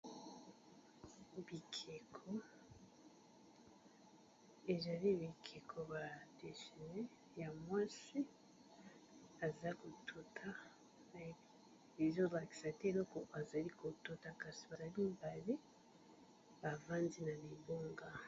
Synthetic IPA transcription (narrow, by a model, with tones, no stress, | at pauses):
bi˨kʰe˨kʰo˦ | e˨za˨li˦βi˨kʰe˨kʰo˨ba˨de˨ʃi˨ne˦ | ja˨mwa˦si˦ | a˨za˦ko˨tʰu˨tʰa˦ | e˨zo˦la˨ki̥˨sa˨te˦e˨lo˦ko˨a˨za˨li˦ko˨tu˦ta˨ka˨zi˨ba˨za˨li˦mba˨li˦ | ba˨va˦nzi˦na˨li˨bo˦ŋɡa˦